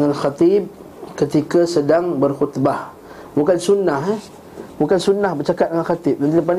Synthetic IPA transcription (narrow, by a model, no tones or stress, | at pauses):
ŋanxat̪ib̚ | kət̪ikasədaŋbərxut̪bah | bukansunːaɦ | bukansunːahbərt͡ʃakat̪̚dəŋanxat̪ip̚dant̪̬iləp̬an